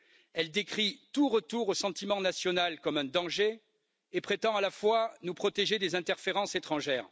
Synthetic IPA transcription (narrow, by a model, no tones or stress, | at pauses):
ɛld̪ekχit̪uʁət̪uʁosɑ̃t̪imɑ̃nasjɔnalkɔmɛ̃d̪ɑ̃ʒe | epχet̪ɑ̃alafwanupχɔt̪eʒed̪ezɛ̃t̪ɛʁfeʁɑ̃set̪χɑ̃ʒɛːʁ